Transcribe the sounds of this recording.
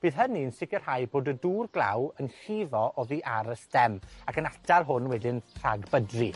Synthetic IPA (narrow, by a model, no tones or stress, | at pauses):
b̥iːð̥ɦəniənsɪkər̥hajboːdəduːrɡlˠa̰wənɬivɔʔɔðiːʔaɾəsd̥ɛmakʰənatʰarɦʊnwɛdɪnr̥aɡbədri